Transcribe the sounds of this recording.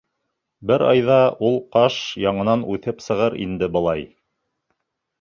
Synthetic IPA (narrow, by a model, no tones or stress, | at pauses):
bɘɾɑjðɑulˠqɑʃjɑɴɤ̆nɑnʉθɘpsɤ̆ʁɤɾḭnd̪ɘbɤ̆lˠɑj